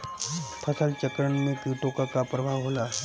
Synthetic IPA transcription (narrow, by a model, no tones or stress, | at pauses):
pʰɐsəlt͡ʃəkɾəɳmẽkiːʈõkakapɾɐbʱaʋɦoːlaɦ